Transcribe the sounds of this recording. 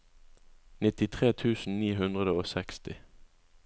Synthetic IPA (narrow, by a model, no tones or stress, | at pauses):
nɪt̪ɪt̪ʰʁeːt̪ʰʉːsn̩niːɦʉnd̪ʁəd̪əoːsɛkst̪ɪ